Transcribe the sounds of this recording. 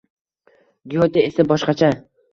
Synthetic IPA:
ɡiot̪aesabɒʃqɑt͡ʃʰa

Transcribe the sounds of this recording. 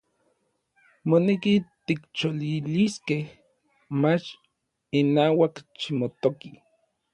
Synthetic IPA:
monekit̪ikt͡ʃoliliskeh | mat͡ʃ | inaːwakt͡ʃimot̪oki

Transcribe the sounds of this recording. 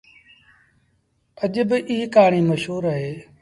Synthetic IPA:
əʄbɪʔiːɦkaːɳiːməʃɦuːɾəɦeː

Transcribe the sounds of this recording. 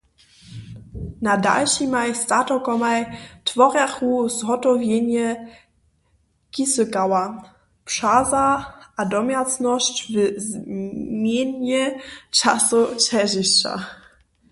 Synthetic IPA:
nada̰lɕimajst̪atɔkɔmajtfɔʁjaxuzɦɔtɔvʲjɛɲɛ | kʲisɘkawa | pʂazaadɔmjat͡snɔɕt͡ɕvɘzmʲjɛɲɛt͡ʂasut͡ʃɛʑiɕt͡ɕa̰

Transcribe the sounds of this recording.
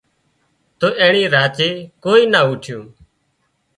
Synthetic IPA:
t̪oːʔẽːɳĩːɾaːt͡ʃeːkoːiːnaːuːʈʰjõː

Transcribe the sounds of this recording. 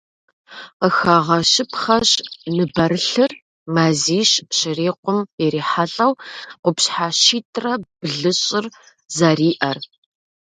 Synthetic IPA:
qəxaʁɐʃɨpχɐɕʼnɨbɐɾɨɬɨr | maːziːɕɕɪriːqʷʊmjɛɾiːħaɬʼɐwqʷʊpɕħaːʃiːtʰʼrɐb̥ɨɮɨɕʼɪr | zɐriːʔɐr

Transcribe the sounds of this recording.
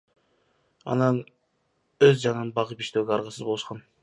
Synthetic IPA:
ɑ̰nɑn | øzd͡ʒɑnbɑʁɯpi̥ʃt̪øːɡʲeɑɾʁɑsɯzbouʃqɑn

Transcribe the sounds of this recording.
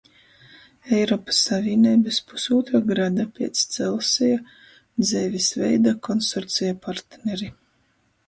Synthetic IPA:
ɛjɾɔːpḁsːavʲiɛnʲiːbɨspu̥suːt̪ɾaɡɾad̪apʲiɛt̪st̪sɛlˠsija | d̪zɛːvʲisvɛjd̪akɔnsɔɾt̪sijapaɾt̪nɛɾi

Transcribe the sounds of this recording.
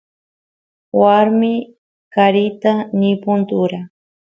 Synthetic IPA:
waɾmɪ | kaɾɪt̪anɪpʊnt̪ʊɾa

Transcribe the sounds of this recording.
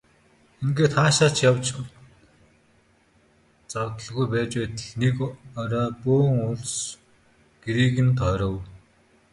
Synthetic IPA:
eŋɡeːt̪χaːʃaːt͡ɕjawt͡ɕ | t͡sawt̪ə̆ɮɣujpæːt͡ɕpæːt̪ə̆ɮnekɔɾɔːpoːŋʊɮs | ɡ̥eɾiːɣĭnt̪ʰœɾə̆w

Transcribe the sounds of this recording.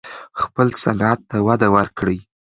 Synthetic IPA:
xpəlsanat̪ːawad̪awaɾkɽəj

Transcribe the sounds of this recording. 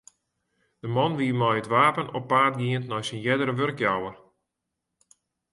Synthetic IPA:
d̥əmɔnʋiəmɔjətʋaːpənɔpːaːt̚ɡiəntnɔjsənjɛdəɾəʋørkjawər

